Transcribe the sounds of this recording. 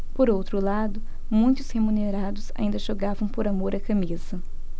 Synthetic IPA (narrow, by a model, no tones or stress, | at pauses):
poɾowt̪ɾʊlad̪ʊ | mũj̃t̪ʊshemuneɾad̪ʊsa̰ĩnd̪ɐʒoɡavɐ̃w̃poɾamoɾɐkɐmizɐ